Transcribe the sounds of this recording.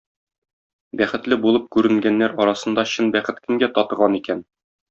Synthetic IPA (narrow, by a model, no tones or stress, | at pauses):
bæχɘ̆t̪lɘbulˠɤp̚kʉɾɘ̆ŋɡænːæɾɒɾɑsɤ̆nd̪ɑɕɤnbæχɘ̆t̪kɘ̆ŋɡæt̪ɒt̪ɤ̆ʁɑnikæn